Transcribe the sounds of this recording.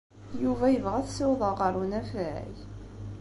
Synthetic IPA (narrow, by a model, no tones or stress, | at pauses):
juvæjəvʁæθsɪwðˤɑqɑɾˤunæfæj